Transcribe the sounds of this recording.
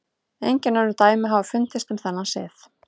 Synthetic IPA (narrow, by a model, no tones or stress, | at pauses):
ejɲcɪnːaɾʏt̪aːjmɪɦavafʏnt̪ɪst̪ʏmθɛnːasɪ̰ːθ